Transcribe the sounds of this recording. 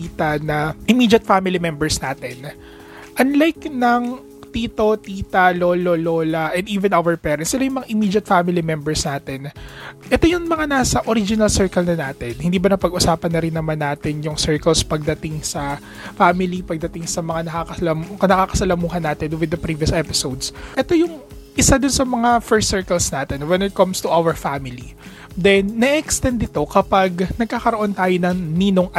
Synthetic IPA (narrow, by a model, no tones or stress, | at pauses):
iːt̪ɐnɐʔɪmiːd͡ʒɐt̪̚famɪlimɛmbɛɹsnaːt̪ɛn | ʔɐnlajknɐŋ | t̪iːt̪o̞t̪iːt̪ɐloːloloːlɐʔɛnd̪iːvɛnʔawɛɹpɛːɾɐnt̪sɪlajʊŋmɐŋaʔɪmiːd͡ʒɐt̪̚famɪlimɛmbɛɹsnaːt̪ɛnʔɛt̪ojʊŋmɐŋanaːsɐʔoɾid͡ʒɪnɐlsɛɹkɐlnɐnaːt̪ɛnhɪnd̪iːbɐnɐpɐɡʔʊsaːpɐnːɐɾɪnːɐmanːaːt̪ɪnjʊŋsɛɹkɐlspɐɡ̚d̪ɐt̪ɪŋsɐ | famɪlipɐɡ̚d̪ɐt̪ɪŋsɐmɐŋanɐkakɐlɐmnɐkaːkɐ̥sɐlɐmuːɦɐnːaːt̪ɪnwɪd̪ɐpɾiviɐsʔɛpɪsowd̪sʔɛt̪ojʊŋ | ʔɪsad̪ʊnsɐmɐŋafɛɹsːɛɹkɐlsnaːt̪ɛnwɛnɪt̪̚kɐmst̪uʔawɛɹfamɪli | d̪ɛnːɛʔɛkst̪ɛnd̪ɪt̪o̞kɐpaɡnɐɡ̚kaːkɐɾoʔo̞nt̪aːjonɐŋniːnoŋʔ